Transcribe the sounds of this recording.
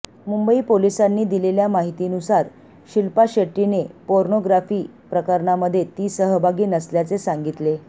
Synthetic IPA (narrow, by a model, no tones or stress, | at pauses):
mumbəiːpolisanːiːd̪ileljamaɦit̪iːnusaɾ | ɕilpaɕeʈːinepoɾɳoɡɾafiː | pɾəkəɾɳaməd̪ʱːjet̪iːsəɦəbʱaɡiːnəsljat͡sesaŋɡit̪le